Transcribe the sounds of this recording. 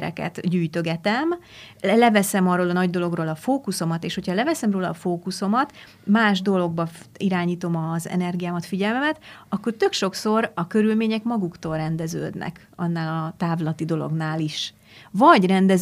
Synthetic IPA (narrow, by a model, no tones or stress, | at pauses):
ɾɛ̰kɛ̰t̪ɟyːjt̪ø̞ɡɛt̪ɛmlɛvɛsɛmɒrːoːlɒnɒɟd̪o̞lo̞ɡroːlɒfoːkuso̞mɒt̪eːʃho̞chɒlɛvɛsɛmroːlɒːfoːkuso̞mɒt̪ | maːʒd̪o̞lo̞ɡ̚bɒiɾaːɲiːt̪o̞mɒzɛ̰nɛrɡijaːmɒt̪fiɟɛlmɛmɛt̪ɒkːo̞rt̪ø̞kʃo̞kso̞ɾɒkø̞ɾylmeːɲɛkmɒɡukt̪o̞ːlrɛnd̪ɛzø̰ːd̪nɛ̰k | ɒ̰nːaːlɒɒt̪aːvlɒt̪id̪o̞lo̞̰ɡnaːliʃ | vɒɟrɛnd̪ɛ